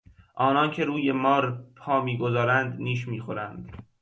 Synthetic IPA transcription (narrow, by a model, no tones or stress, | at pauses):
ʔɒːnɒːncʰe̞ɾuːjemɒːɾpʰɒːmiːɡozɒːɾænd̪niːʃ̬miːxoɾænd̪̥